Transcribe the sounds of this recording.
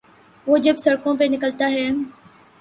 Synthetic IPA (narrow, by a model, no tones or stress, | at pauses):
ʋoːd͡ʒɐbsɐɽkõp̬enɪkəlt̪aɦɛː